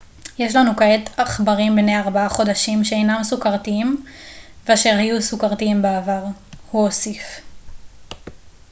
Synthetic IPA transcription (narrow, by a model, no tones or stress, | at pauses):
je̞ʃlanukaetaχbaʁimbnejaʁbaaχo̞daʃimʃeejnamsukaʁt̪iim | veaʃe̞ʁhajusukaʁt̪iimbeavaʁhuosif